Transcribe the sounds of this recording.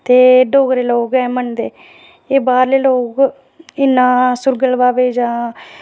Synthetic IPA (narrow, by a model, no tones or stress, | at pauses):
t̪eːɖoːɡɾeːloːɡɛːmənd̪eː | eːbaːɾleːloːɡ | ɪnːãːsʊɾɡəlʋaːbeːd͡ʒãː